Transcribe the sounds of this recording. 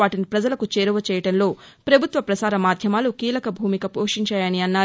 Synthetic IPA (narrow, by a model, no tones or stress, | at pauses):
aːʈinipɾɐd͡ʒɐlɐkut͡ʃeːɾuʋɐt͡ʃɛːjɐʈɐnlo̞ː | pɾɐbʱut̪ʋɐpɾɐsaːɾɐmaːd̪ʱjɐmaːlukiːlɐkɐbʱuːmikɐpoːkʂiɲt͡ʃaːjɐniɐnːaːɾ